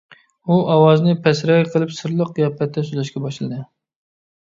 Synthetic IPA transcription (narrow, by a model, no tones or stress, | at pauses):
uʔɑwɑznɨpʰɛsɾɛjqʰəlˠɨpsɨɾlˠəqjɛpʰːɛt̪ʰːɛsylɛʃkʲɛbɑʃlˠɨd̪ɨ